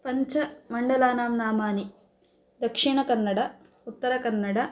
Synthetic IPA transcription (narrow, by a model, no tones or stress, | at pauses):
pɐɲt͡ʃɐmɐɳɖɐlaːnaːmnaːmaːni | d̪ɐkʂiɳɐkɐnːɐɽɐ | ut̪ːɐɾɐkɐnːɐɽɐ